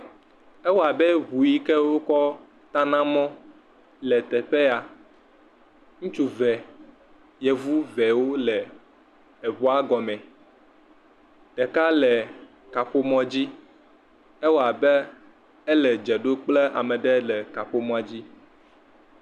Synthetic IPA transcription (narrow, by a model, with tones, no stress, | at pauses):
ɛ˦wo˦˨a˨bɛ˦βu˨ji˦kɛ˦wo˦kɔ˦ | t̪ã˦nã˦mɔ̃˦ | lɛ˨t̪ɛ˨ɸe˦a˨ | ŋũ˦t͡ʃu˦vɛ˨ | jɛ˨vu˦vɛ˨wo˦lɛː˨ | βɔ˦a˦ɡɔ˨mɛ̃˨ | ɖ̥ɛ˨ka˦lɛ˨ | ka˨ɸo˦mɔ̃˨d͡ʑi˦ | ɛ˦wo˦˨a˨bɛ˦ | ɛ˦lɛ˨d͡ʒɛ˨ɖo˦k͡plɛ˦a̰˨mɛ̃˨ɖɛ˦lɛ˨ka˨ɸo˦mɔ̃˦a˨d͡ʑi˦